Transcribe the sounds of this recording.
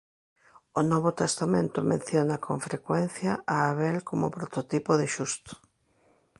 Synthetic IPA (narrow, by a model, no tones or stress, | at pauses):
onɔβot̪est̪amẽnt̪ʊmḛ̃n̟θjonɐkʰoɱfɾekwɛn̟θjɐʔaːβɛlkʰomʊpɾot̪ot̪ipʊðɪʃust̪o̥